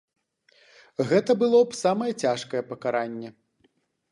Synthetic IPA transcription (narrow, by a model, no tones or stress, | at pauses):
ɣɛt̪ɐbɨlˠɔpsamɐjɐt͡sʲaʂkɐjɛpɐkaɾanʲːɛ